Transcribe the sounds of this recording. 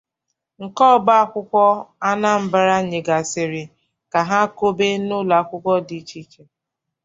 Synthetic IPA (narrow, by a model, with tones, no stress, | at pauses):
ŋ̩˨kɔ˦˨ba˦a˦kʷʊ˦kʷɔ˦a˦na˦m̩˨ba˦ɾa˦ɲe˨ɡa˨sɪ˨ɾɪ˨ | ka˨ɦa˦ko˦be˦nʊ˦la˨kʷʊ˦kʷɔ˦di˨˦t͡ʃi˦t͡ʃe˨